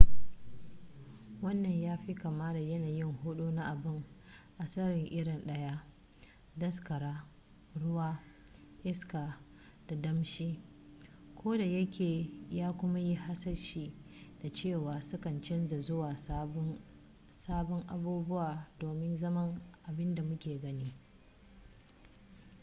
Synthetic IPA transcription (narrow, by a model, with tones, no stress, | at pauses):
wɐ˦nːɐ˨ɲjaː˦ɸi˦kaː˨maː˦da˨jɐ˦naː˨jɪ˦ŋhʊ˦ɗu˦na˦ʔa˨bɪ˦˨ŋ | ʔa˨sɐ˦ɽɪ˨ŋʔɪ˦ɽɪ˨nɗɐ˦ja˦ | dɐ˦skɐ˨ɾaː˦ | ɽʊ˦waː˦ | ʔɪ˦skaː˨ | d̥a˨dɐ˦mʃiː˦ | kʷoː˦da˨jɐ˦kʲeː˨jaː˦kʷʊ˦ma˦ji˦ɦa˦sɐ˦rʃiː˦d̥a˨t͡ʃeː˦˨waː˨sʊ˦kɐ˨nt͡ʃɪ˦nza˨zʊ˦waː˨˦ | saː˦bɔ˦ŋʔa̰˨buː˦bʊ˦waː˨doː˨mɪ˦nzɐ˦mɐ˦ŋʔa˨bɪ˦nda˨mʊ˦kʲeː˨ɡɐ˦niː˦